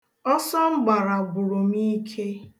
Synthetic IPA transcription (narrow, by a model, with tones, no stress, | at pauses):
ɔ˦sɔ˦ŋ͡m̩˦ɡ͡ba˨ɾa˨ɡʊ˨ɾʊ˨mi˦kʰe˦